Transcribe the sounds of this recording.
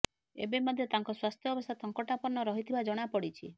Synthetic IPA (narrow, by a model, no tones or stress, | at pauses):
ḛbemɔd̪ʱjɔt̪aŋkɔswast̪ʰjɔɔbɔst̪ʰat̪ɔŋkɔʈapɔɾnɔɾɔɦit̪ʰibad͡ʒɔɽ̃apɔɽit͡ʃʰi